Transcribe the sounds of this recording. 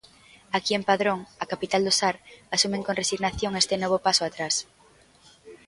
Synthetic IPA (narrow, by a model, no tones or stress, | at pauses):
akiempaðɾoŋakapit̪ald̪ʊsaɾasumẽŋkonresiɣnaθjoŋest̪ɪnɔβ̞ʊpasʊat̪ɾas